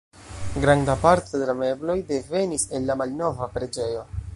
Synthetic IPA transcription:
ɡɾandapaɾte̞de̞lame̞blo̞jde̞ve̞nise̞nːamalno̞vapɾe̞d͡ʒe̞jo̞

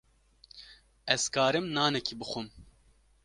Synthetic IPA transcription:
ɛz̥kaːɾɨmnaːnɛkiːbɨxʷum

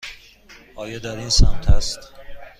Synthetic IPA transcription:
ʔɒːjɒd̪æɾinsæmt̪ʰæst̪

